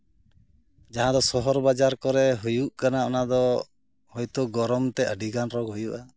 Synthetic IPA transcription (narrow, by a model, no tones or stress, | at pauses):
d͡ʒaɦãd̪ɔsɔɦɔɾbad͡ʒaɾkɔɾɛɦujuʔkanaɔnad̪ɔ | hɔjt̪ɔɡɔɾɔmt̪ɛʔəɖiɡanɾɔɡɦujuʔa